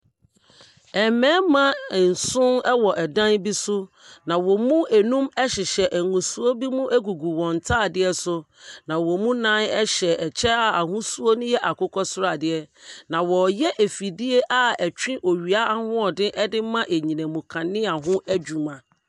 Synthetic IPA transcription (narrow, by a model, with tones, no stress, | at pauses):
ɛ˨mɛ̃ː˨˦mã˦˨n̩˨sʊ̃˦nɛ˦wɔ˨ʔɛ˨dã˦nbi˦sʊ˦ | nã˨wɔ˨mũ˦æ˨nũ˦mɛ˦ɕɪ˨ɕɛ˨ʔæ˨ŋũ˨su˦o˦bi˦mũ˦ʔæ˦ɡu˨ɡu˨wɔ̃˨n˨tʰaː˦˨dɪ˦ɛ˦sʊ˦ | nã˨wɔ˨mũ˦nã˦nɛ˦ɕɛ˨ɛ˨t͡ɕʰɛ˦a˨a˨ɦʊ̃˦su˦o˦nʊ̃˦jɛ˦ʔa˨kʊ˦kʰɔ˦sʊ˦ɾa˨dɪ˦ɛ˦nã˨wɔ˨jɛ˦ʔe˨fi˨dɪ˦e˦ʔa˨ɛ˨t͡ɕᶣĩ˦ʔo˨ɥi˨a˦a˦hʊ̃˦ɔ˨dɪ̃˦ʔɛ˦dɪ˦mã˦ʔe˨ɲĩ˨nɛ̃˨mũ˨kʰã˨nːɪ̃˦a˨ɦʊ̃˦ʔæ˦d͡ʑu˨mã˨